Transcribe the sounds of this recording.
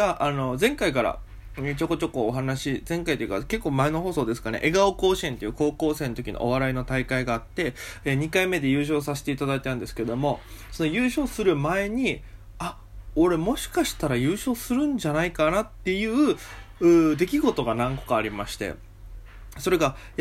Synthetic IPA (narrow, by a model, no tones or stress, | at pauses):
ɡaʔano̞zẽ̞ŋkaikaɾa̰ | t͡ɕo̞ko̞t͡ɕo̞ko̞ːɦanaɕizẽ̞ŋkait̪ojɯ̟ka̰ke̞kːo̞ːmae̞no̞ɦo̞ːso̞ːd̪e̞sɨ̥kaneʔe̞ɡaoko̞ːɕient̪e̞jɯ̟ːko̞ːko̞ːsẽ̞ːnot̪o̞kʲḭno̰ʔo̰βaɾaino̞t̪aikaiɡaːt̪ːe̞eɲ̟ikaime̞d̪e̞jɯ̟ːɕ̬o̞ːsase̥t̪eit̪ad̪ait̪ãnd̪e̞sɨ̥ked̪o̞mo̞ | so̞no̞jɯ̟ːɕo̞ːsɨɾɯ̟mae̞ɲ̟i | a | o̞ɾe̞mo̞ɕi̥kaɕi̥t̪aɾajɯ̟ːɕo̞ːsɨɾɯ̟̃ɲ̟d͡ʑanaikanat̪ːe̞jɯ̟ːɯ̟ːd̪e̞kʲiɡo̞t̪o̞ɡanãŋko̞̥kaːɾʲimaɕi̥t̪e̞̰ | so̞ɾe̞ɡa